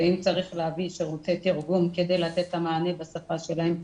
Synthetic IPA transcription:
eimt͡saʁiχleaviʃeʁut̪etiʁɡumked̪ejlat̪e̞t̪hamaːne̞basafaʃe̞laem

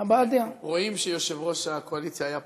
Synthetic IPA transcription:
abad̪eaʁo̞imʃejoʃevʁo̞ʃako̞alit͡sjaːja

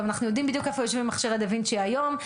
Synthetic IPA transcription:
manaχnujo̞d̪imbid̪jukefojoʃvimaχʃiʁad̪evinʃeajo̞m

